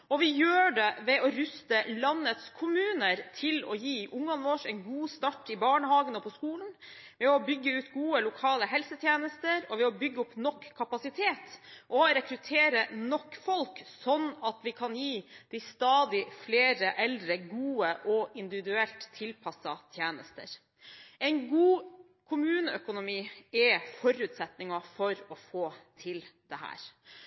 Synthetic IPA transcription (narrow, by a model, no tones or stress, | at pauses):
ɔʋɪjøːɖɛʋɛɔɾʉst̪əlɑnːət̪skʰʊmʉːnəɾt̪ʰɪlɔjiːʔʊŋːɑnʋɔːʂɛɪnɡuːst̪ɑʈːɪbɑːɳəhɑːɡənəpʰɔskuːln̩ | ʋɛɔbʏɡːəʉːt̪ɡuːəlʊkʰɑːləɦɛlsət̪ʰjeːnəst̪əɾɔʋɛɔbʏɡːəʊpnɔkʰːɑpɑsɪt̪ʰeːt̪ʔɔɾɛkɾʉt̪ʰeːɾənɔkːfɔlksɔnːɑt̪ʋɪkʰɑnjiːd̪̥ɪst̪ɑːd̪ɪfleːɾəʔɛld̪ɾəɡuːəʔɔɪnd̪ɪʋɪd̪ʉɛlt̪ʰːɪlpʰɑsɑt̪ʰjeːnəst̪ə̰ɾ | ɛɪnɡuː | kʰʊmʉːnəœkʊnʊmiːɛfɔɾʉːt̪sɛt̪nɪŋɑfɔɾɔfoːt̪ʰɪld̪̥ɛhæ̰ːɾ